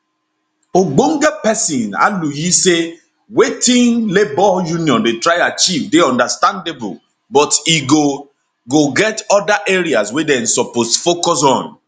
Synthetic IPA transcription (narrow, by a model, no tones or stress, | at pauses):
oɡ͡boŋ̩ɡepɛsĩna̰lujise | wetĩŋlebɔjuniɔ̃ndetɾajat͡ʃivdeɔ̃ndastãndebʊ̰l | bɔtiɡo | ɡoɡɛtɔdaʔeɾiaswedɛn̩sɔposfokɔs̬ɔ̃n